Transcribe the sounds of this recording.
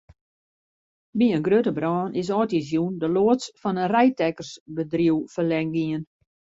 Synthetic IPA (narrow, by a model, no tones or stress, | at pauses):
biənɡrøtəbrɔːnʔɪs̬ɔːtizjundəloətsfɔnənrɛjtɛkərsbədriwfərlɛŋɡiən